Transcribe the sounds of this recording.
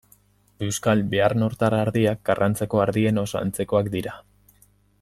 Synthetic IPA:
e̞wskalbe̞aɾnoɾt̪aɾaːɾðiak̚ɡarʔant͡se̞ko̞aɾðie̞no̞sa̰nt͡se̞ko̞akd̪iɾa

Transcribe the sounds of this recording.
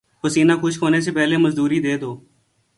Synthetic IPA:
xʊsiːnaːkʊt͡ʃʰkʰoːneːs̬eːpɛːɦleːməzd̪uːɾiːd̪eːd̪oː

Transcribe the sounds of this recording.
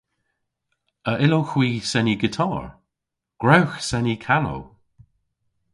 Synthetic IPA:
əʔɪloxwiːsɛniɡɪtʰɔːɹ | ɡ̥ɹawxsɛnikʰano̰w

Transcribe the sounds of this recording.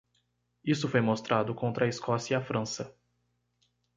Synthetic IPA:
isʊfojmost̪ɾad̪ʊkõnt̪ɾɐiskɔsiiɐfɾɐ̃sɐ

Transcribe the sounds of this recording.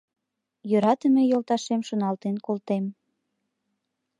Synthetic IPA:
jøɾɑt̪ə̆mejolt̪ɑʃemʃŏnɑlt̪enkolt̪em

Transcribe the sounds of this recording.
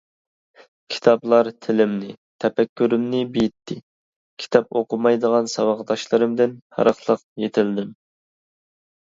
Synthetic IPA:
kʲʰi̥t̪ʰɑblˠɑɾt̪ʰɪlɪmnɪ | t̪ʰɛpɛkʲːyɾɪmnɪbijɪt̪ʰːɪ | kʲʰi̥t̪ʰɑp̚oqʊmɑjd̪əʁɑnsɑwɑʁd̪ɑʃlˠɨɾɨmd̪ɪnhɑ̰ɾəχlˠəqjet̪ʰɪld̪ɪm

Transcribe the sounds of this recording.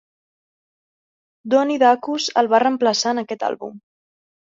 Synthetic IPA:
d̪ɔniðakuzə̰lˠβarəmpləsanəkɛt̪a̰lˠβṵm

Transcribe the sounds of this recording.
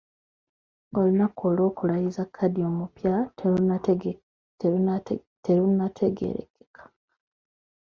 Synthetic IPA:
o̞linakʰolo̞ːkulajizakʰːadio̞ːmupjateu | teɾunːatʰeɡḛɾḛke̥kʰḁ

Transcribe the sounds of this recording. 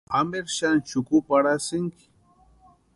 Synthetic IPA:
ameɾʃant͡ʃʊkʊpaɾasɪŋkɪ̥

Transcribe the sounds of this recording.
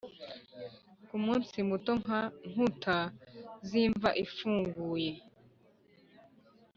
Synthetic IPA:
kumuːnsimuto̞ŋaŋ̥utʰaziːɱvaʔifuːŋɡuːje̞

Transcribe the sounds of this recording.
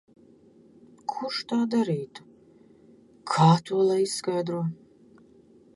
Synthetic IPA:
kʰurʃt̪ʰaːd̪aɾiːt̪ʰu̥ | kʰaːt̪ʰuɔlˠajiskajd̪ɾuɔ

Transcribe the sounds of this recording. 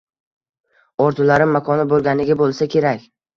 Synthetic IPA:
ɒɾt̪ʰʊlaɾɪmːakʰɒnɪbolˠɡʲanɪɡʲabolˠsakʲʰe̞ɾakʲ

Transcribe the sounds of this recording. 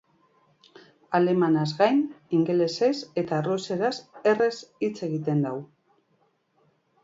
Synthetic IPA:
ale̞manazɣajniŋɡe̞le̞sese̞t̪aruseɾase̞re̞sit͡se̞ɣit̪e̞nd̪aw

